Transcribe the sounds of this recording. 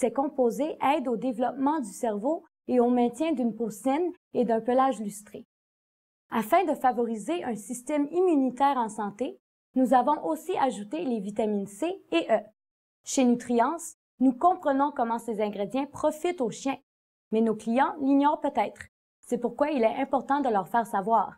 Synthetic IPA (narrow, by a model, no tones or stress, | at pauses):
sɛkɔ̃pozeʔɛd̪od̪evlɔpmɑ̃d̪ysɛʁvo | eõmɛ̃t̪jɛ̃d̪ynposɪn | ed̪ɛ̃pəlaʒlyst̪χe | afɛ̃d̪əfavɔʁizeʔœ̃sist̪ɛmimynit̪ɛːʁɑ̃sɑ̃t̪e | nuzavɔ̃ʔosiaʒut̪elevit̪aminseeʔœ | ʃenyt̪χijɑ̃s | nukɔ̃pχənɔ̃kɔmɑ̃sezɛ̃ɡʁed̪jɛ̃pχɔfit̪oʃjɛ̃ | mɛnoklijɑ̃liɲɔːʁpøt̪ɛːt̪χ | sɛpuʁkwailɛɛ̃pɔʁt̪ɑ̃d̪əlœʁfɛːʁsavwaːʁ